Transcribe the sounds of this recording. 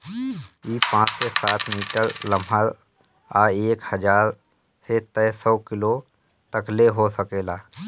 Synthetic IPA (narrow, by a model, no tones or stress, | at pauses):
iːpãːt͡ʃsesaːt̪ʰmiːʈəɾləməl | aːeːkhəd͡ʒaːɾ | set̪ɛsɔːkɪlo | t̪əkleɦosəkeːlaː